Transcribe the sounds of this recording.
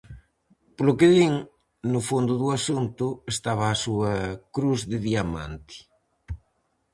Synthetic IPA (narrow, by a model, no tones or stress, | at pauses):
plokeðiŋ | nʊfond̪ʊðuasunt̪ʊest̪aβaːsuɐkɾuzðɪðiama̰nt̪i̥